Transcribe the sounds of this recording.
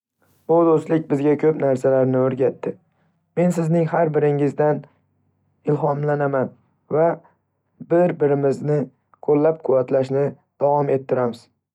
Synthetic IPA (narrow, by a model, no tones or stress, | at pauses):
bʊd̪ost̪lɪk̚ʲbɪzɡʲakʲʰɵpnaɾsalaɾnɪoɾɡʲat̪ʰːɪ | me̞nsɪznɪŋɦaɾbɪɾɪŋɪzd̪an | ɪlɦɒmlanaman | va | bɪɾbɪɾɪmɪznɪ | qʰolːap̚qʰʊvat̪laʃnɪ | d̪̥avɒme̞t̪ʰːɪɾamɪz̥